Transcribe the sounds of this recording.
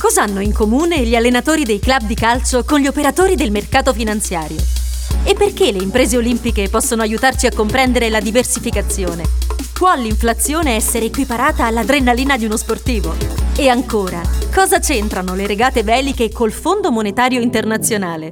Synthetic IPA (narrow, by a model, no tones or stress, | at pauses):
kɔzanːoiŋkomuːneʎialːenat̪oːɾid̪ejklab̚d̪ikalt͡ʃokonʎiopeɾat̪oːɾid̪elmerkaːt̪ofinant̪sjaːɾjo̰epːerk̟eleimpɾeːzeolimpikepɔsːonoajut̪art͡ʃiakːompɾɛnd̪eɾelad̪iversifikat̪sːjoːnekwaliɱflat̪sːjoːneɛsːeɾeːkwipaɾaːt̪aːlːad̪ɾenːaliːnad̪iunosport̪iːvoeaŋkoːɾakɔːzat͡ʃent̪ɾanoleɾeɡaːt̪evɛːlikekolfond̪omonet̪aːɾjoint̪ernat̪sːjonaːle